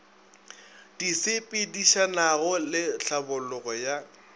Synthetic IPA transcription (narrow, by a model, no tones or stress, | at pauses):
d̥isɪpʼɪdiʃanaɣʊlɪɬabʊlʊɣɔja